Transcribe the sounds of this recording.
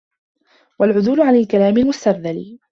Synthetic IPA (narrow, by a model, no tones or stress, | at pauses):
walʕʊðuːlʊʕanalkalaːmɪlmʊst̪abðal